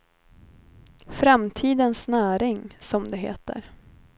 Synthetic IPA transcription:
fɾamt̪ʰiːd̪ənsnæːɾɪŋsɔmd̪ɛɦḛːt̪ə̰ɾ

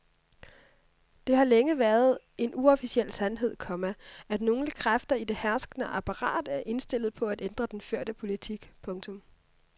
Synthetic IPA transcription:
d̥e̝ɦɑ̈leŋəʋæɐð̩ˠ | e̝nuɒ̽fisiel̰sænɦe̝ð̰ˠkʰɒ̽mææd̥no̝ːŋ̩ləkʰʁafd̥ɐid̥e̝hæɐsɡ̥nəʔɑpʰɑ̈ʁɑ̰̈ːd̥æɐʔe̝nsd̥e̝l̰ð̞̩ˠpʰɒ̽æd̥end̥ʁɐd̥enføɐ̰d̥əpʰo̝lit͡sʰiɡ̥pʰɔ̽ŋt͡sʰɔ̽m

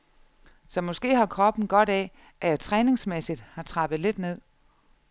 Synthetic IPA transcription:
sɒ̽mɒ̽sɡ̥e̝̰ːhɑ̈kʰʁɒ̽b̥n̩ɡ̥ɒ̽ɾ̥ɛ | ʔæjɑt͡sʰʁɛːne̝ŋsmesid̥hɑ̈t͡sʰʁɑ̈b̥ð̩ˠle̝d̥ne̝ð̰ˠ

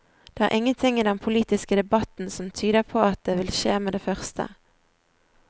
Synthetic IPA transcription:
d̪̥eːæ̰ʁʔɪŋːənt̪ʰɪŋiːd̪ɛnpʰʊliːt̪ɪskəd̪ɛbɑt̪n̩sɔmt̪ʰyːd̪əpʰoːɑt̪̚d̪eːʋɪlʃeːmeːd̪eːfœʁst̪ʰə̰

